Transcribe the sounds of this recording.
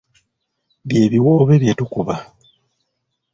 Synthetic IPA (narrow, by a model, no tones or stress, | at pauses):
βje̞ːβiwo̞ːβe̞βjetukuβa